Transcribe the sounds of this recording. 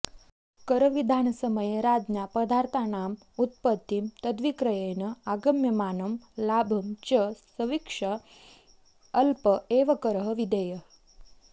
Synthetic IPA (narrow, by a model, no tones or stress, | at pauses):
kəɾəʋid̪ʱaːnɐsəməjeɾaːd͡ʒnjapɐd̪ʱaɾt̪ʰaːnaːm | ut̪̚pət̪ːimt̪ɐd̪ʋikɾɐjenɐaɡɐmjɐmaːnɐmlaːbʱɐmt͡ʃəsɐʋikʂɐ | lpəeːʋɐkɐɾəɦəʋid̪ejə